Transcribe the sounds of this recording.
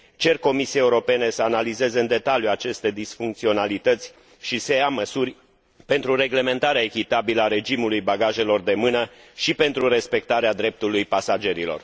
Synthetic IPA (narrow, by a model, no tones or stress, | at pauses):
t͡ʃe̞rko̞misijeeuɾo̞pe̞ne̞səanalize̞zeɨnd̪e̞t̪aljuat͡ʃe̞st̪e̞d̪isfuŋkt̪sio̞nalit̪ət̪sʲ | ʃisejaməsurʲ | pe̞nt̪ɾure̞ɡle̞ment̪aɾeaekʲit̪abiləaɾe̞d͡ʒimulujbaɡaʒe̞lo̞rd̪e̞mɨnə | ʃipe̞nt̪ɾuɾe̞spe̞k̚t̪aɾead̪ɾe̞p̚t̪ulujpasad͡ʒe̞ɾilo̞̰r